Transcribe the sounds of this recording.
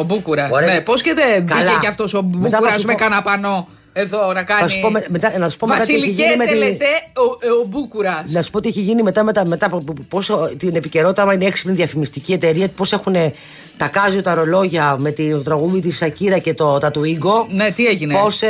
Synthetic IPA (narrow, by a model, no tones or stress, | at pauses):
obukuɾɐsoɾenposket̪eðkɐilɐeɐft̪o̞sobmet̪ɐuɾɐsmekɐnɐpɐno | eðonɐkɐɐsnsu̥sipomemet̪ɐnɐsu̥pomet̪ɐsieliiʝinimeet̪eoobukuɾɐsnɐsu̥spo̞t̪ieçiʝinime̞t̪ɐmet̪ɐme̞t̪ɐpost̪inepice̞ɾo̞t̪it̪ɐmɐineeksi̥plniðiɐfimist̪icie̞t̪e̞ɾiɐt̪u̥po̞se̞xune̞ | t̪ɐkɐzjot̪ɐɾo̞lo̞ʝɐme̞t̪iot̪ɾɐɣuðit̪issɐciɾɐce̞t̪ot̪ɐt̪uiɡo̞net̪ieʝinepo̞s